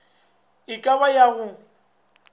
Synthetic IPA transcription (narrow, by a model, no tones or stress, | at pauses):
ɪkʼaβajaɣʊ